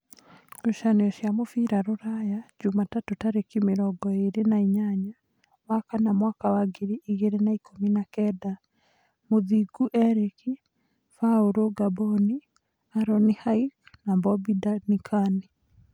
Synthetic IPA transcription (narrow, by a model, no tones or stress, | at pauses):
ɾoʃaneɔʃjamofiɾaɾoɾajad͡ʒumatatotaɾekimeɾɔɡɔeɾenaiɲaɲa | wakanamwakawaɡeɾiʔiɣeɾenaikʰominakɛda | moðiɡuʔɛɾeki | faoɾoɡabɔni | aɾɔnihaiknambɔbidanikʰani